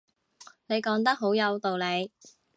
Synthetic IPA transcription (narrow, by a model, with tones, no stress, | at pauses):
ne˨˧jkɔː˨˥ŋt̪ɐ˥k̚ɦo˨˥wjɐ˨˧wt̪o˨wle˨˧j